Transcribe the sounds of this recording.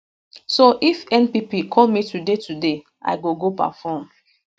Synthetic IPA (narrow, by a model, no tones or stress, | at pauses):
soʔifɛ̃npipikʰɔlmitʰudetʰude | ʔa̰ɪɡoɡopa̰fɔm